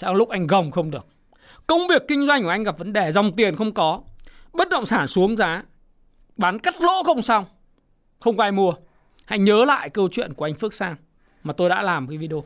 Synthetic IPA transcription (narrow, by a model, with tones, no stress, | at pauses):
t͡ɕɛ̰˧˥lʊ˦˥k̚ʔa˧jŋ̟ɣə˨˩wŋ͡mxə˧wŋ͡mɗɨ˨˩ək̚ | kə˧wŋ͡mvi˨˩əkːï˧ŋ̟zwa˧jŋ̟kʔjŋ̟ɣa˨˩p̚və˨˦nɗe˨˩zɔ˨˩wŋ͡mt̪i˨˩ə˩nxə˧wŋ͡mkɔ˨˦ɓə˦˥t̚ɗə̰˧˨wŋ͡msaː˧˩nsu˨˦əŋzaː˨˦ | ɓaː˨˦nka˦˥t̚lo̰˧˥xə˧wŋ͡msa˧wŋ͡m | xə˧wŋ͡mkɔ˧ʔaː˧jmu˧ə | ha̰˧˥jɲəː˨˦la̰ː˧˨jkəː˧t͡ɕwḭ˧˨ənku˧˩əʔa˧jŋ̟fɨ˦˥k̚saː˧ŋ | maː˨˩t̪o˧jɗa̰ː˧˥laː˨˩m˨˩aː˨˦vi˧ɗo˧